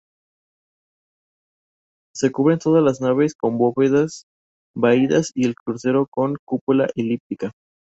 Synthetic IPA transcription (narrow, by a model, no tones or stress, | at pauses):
se̞kuβɾe̞nt̪o̞ð̞azlaznaβe̞sko̞mboβeðas | baiðasie̞lkɾuse̞ɾo̞ko̞ŋkupulaʔelip̚t̪ika